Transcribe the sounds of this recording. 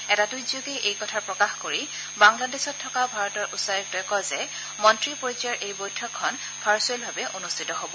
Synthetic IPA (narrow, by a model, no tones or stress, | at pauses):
ɛtatuzokɛʔejkɔtʰaɹpɹɔkaxkoɹi | baŋladɛsɔtʰːɔkabʱaɹɔtɔɹʔusaɹik̚tɔjkɔzɛ | mɔntɹipoɹiziaɹʔejbojtʰɔkʰːɔn | pʰaɹsuɛlbʱabɛʔonustʰitɔɦobɔ